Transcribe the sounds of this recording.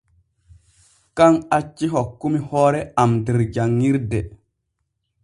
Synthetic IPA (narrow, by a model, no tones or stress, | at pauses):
kaŋat͡ʃːiɦokːumihoːɾeamdiɾd͡ʒaŋːiɾde